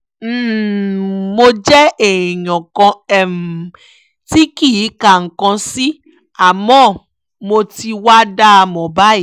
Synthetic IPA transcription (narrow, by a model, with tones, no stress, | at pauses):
mo˧d͡ʒɛ˦e˨ĩ˨j̃ɔ̃˨kɔ̃˧ɛ˦˨m˨ | ti˦ki˦˨i˨˦ka˦˨ŋ̩˨kã˧si˦ | a˦˨mɔ̃˦˨ | mo˧ti˧wa˦da˦˧mɔ̃˨ba˦i˦˨